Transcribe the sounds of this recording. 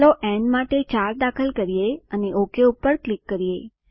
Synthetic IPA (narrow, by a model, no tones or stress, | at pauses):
loʔɛɳmaʈet͡ʃaɾd̪akʰəlkəɾijeəneʔokeupːəɾklikːəɾije